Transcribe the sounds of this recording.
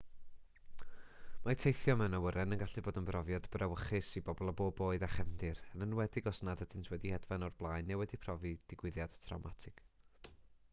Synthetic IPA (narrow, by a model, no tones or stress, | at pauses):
matʰejθjɔmɛwnawəɾɛnənɡaɬiboːdənbrɔvjadbrɛwəχɪsibɔbɔlˠɔboːboːɨdaχɛmdɪɾənənwɛdɪɡɔsnadədʰɪntʰwɛdihɛdvanɔrblˠaɨnːewɛdipʰrɔvid̥ɪɡwɪðjad̥tʰra̰wmatʰɪɡ̥